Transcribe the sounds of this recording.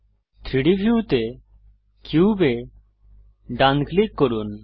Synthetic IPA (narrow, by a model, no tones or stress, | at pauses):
t̪ʰɾiɖibʱjut̪e | kjuːbe | ɖãnklikːɔɾun